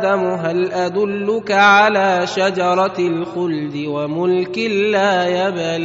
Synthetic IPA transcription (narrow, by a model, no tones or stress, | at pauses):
d̪amʊɦalʔad̪ʊlːʊkaʕalaːʃad͡ʒɑɾˤɑlxʊld̪ɪwamʊlkɪlːaːjabal